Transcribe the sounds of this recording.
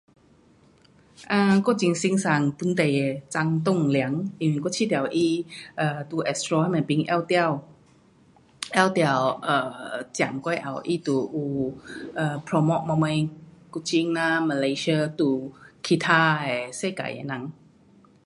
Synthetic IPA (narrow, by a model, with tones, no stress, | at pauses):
ʔaː˧˩kɔ˥˩˨t͡ɕi˧ŋsi˧ŋsa˨˩ŋpu˧˥˦nt̪e˨˩˨t͡sa˧˥ŋt̪̬o˥˧˨ŋli˧˨˦ə˦ŋʔi˧˩wi˧˩kɔ˥˩t͡ɕʰi˧˥˨t̪jwʔi˧˩ʔəː˨˧˩t̪uː˧˩ʔɛ˧˩st̪ɾɔ˧ha˧˥˩ma˨˩pi˧ŋʔɛ̰˧˩˨wt̪ɛ˧˨w | ʔɛ˧˩˨wt̪a˧˩wʔəː˨˩t͡ɕja̰˨˩mkɔ˧˩jʔa̰˨˩wʔi˧˩t̪u˨˧˩ʔu˧˩ʔəː˨˩pʰɾɔ˧mɔ˧ʔ̚ma˧mə˧jku˧˩t͡ɕi˧ŋnaː˧ma˧le˧jsə˧t̪u˧kʰi˧˩t̪ʰaː˧hɛ˨˩se˥˧˨ka̰˨jḛ˧˨nã˧˦ŋ